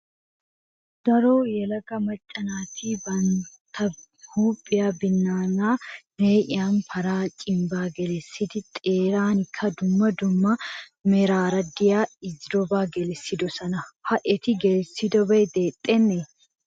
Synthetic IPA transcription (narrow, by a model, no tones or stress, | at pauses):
d̪̥ɐɾoːjɛlɐɡɐmɐt͡ʃʼːɐnaːt̪iːbɐnt̪ʰɐ | huːpʼːɪjaːbɪnːaːnaːneːʔɪaːnfɐɾaːt͡ʃʼɪmbaːɡɛlɛsːɪd̪ɪt̪ʼeːɾaːnɪkʰːɐd̪ʊmːɐd̪ʊmːɐmɛɾaːɾɐd̪ɪjaːɪd͡ʒɾɔbaːɡɛlɛsːɪd̪ɔsɐnɐhɐʔɛt̪ɪɡɛlɛsːɪd̪ɔbɐjd̪eːt̪ʼːenːe